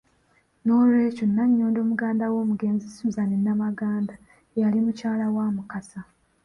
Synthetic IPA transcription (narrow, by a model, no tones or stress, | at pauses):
noɾe̞ːconːaɲːo̞ːndo̞ːmuɡaːndawo̞ːmuɡe̞ːnzisuzanenːamaɡaːnda | jalimucaːlawaːmukasa